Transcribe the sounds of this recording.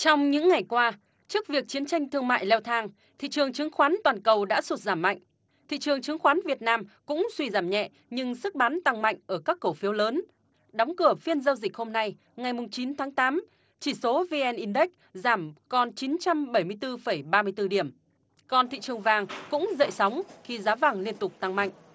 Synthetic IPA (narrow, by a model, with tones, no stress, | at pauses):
t͡ɕɔ˧wŋ͡mɲɨ̰˧˥ŋːa˨˩jkwaː˧ | t͡ɕɨ˦˥ək̚vi˨˩ək̚t͡ɕi˨˦ənt͡ɕa˧jŋ̟t̪ʰɨ˧əŋma̰ː˧˨jlɛ˧wt̪ʰaː˧ŋ | t̪ʰḭ˧˨t͡ɕɨ˨˩əŋt͡ɕɨ˨˦əŋxwaː˨˦nt̪waː˨˩nkə˨˩wɗa̰ː˧˥su˨˦˩t̚zaː˧˩mːa̰˧˨jŋ̟ | t̪ʰḭ˧˨t͡ɕɨ˨˩əŋt͡ɕɨ˨˦əŋxwaː˨˦nvi˨˩ət̚naː˧mkʊ̰˧˥ŋ͡mswi˧zaː˧˩mɲɛ̰˧˨ | ɲɨ˧ŋsɨ˦˥k̚ɓa˨˦nt̪a˧ŋma̰˧˨jŋ̟ʔəː˧˩kaː˦˥kːə˧˩wfi˨˦wləː˨˦n | ɗɔ˨˦wŋ͡mkɨ˧˩əfi˧ənzə˧wzï˨˩k̟̚ho˧mna˧j | ŋa˨˩jmʊ˨˩ŋ͡mt͡ɕi˨˦nt̪ʰaː˨˦ŋt̪aː˨˦m | t͡ɕi˧˩so˨˦vi˧ʔɛ˧nʔi˧nɗə˦˥k̚zaː˧˩mkɔ˨˩nt͡ɕi˨˦nt͡ɕa˧mɓə˧˩jmɨ˧əjt̪ɨ˧fə˧˩jɓaː˧mɨ˧əjt̪ɨ˧ɗi˧˩əm | kɔ˧nt̪ʰḭ˧˨t͡ɕɨ˨˩əŋvaː˨˩ŋkʊ̰˧˥ŋ͡mzə̰˧˨jsa˨˦wŋ͡mxi˧zaː˨˦vaː˨˩ŋli˧ənt̪ʊ˨˩k͡p̚t̪a˧ŋma̰˧˨jŋʔ̟